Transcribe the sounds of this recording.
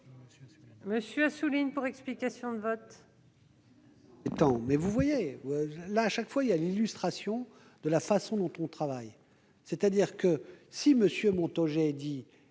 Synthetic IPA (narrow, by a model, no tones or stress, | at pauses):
məsjøasuliɲpuʁɛksplikasjɔ̃d̪əvɔt̪ | et̪ɑ̃mɛvuvwaje | laːʃakfwailjalilyst̪χasjɔ̃ | d̪̥əlafasɔ̃d̪ɔ̃t̪ɔ̃t̪χavaj | set̪ad̪iʁkəsiməsjømɔ̃t̪ɔʒɛd̪i